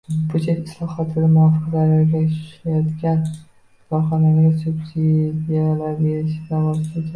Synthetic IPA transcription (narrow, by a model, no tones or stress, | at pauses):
bʊt͡ʃʰet̪ɪslˠɒhɒt̪ʰɪd̪amʊɒfɨqlaɾaɾɡʲaʊ̥ʃajɒt̪kʲan | lɒχɒnamɡʲasʊbsid̪ijalaɾbeɾɪʃɪavɒst̪ɪk̪ʲʰa